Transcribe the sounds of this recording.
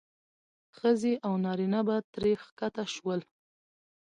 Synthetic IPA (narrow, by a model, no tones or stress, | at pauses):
xəzeʔawnɑɾinabat̪ɾexkat̪aʃwəl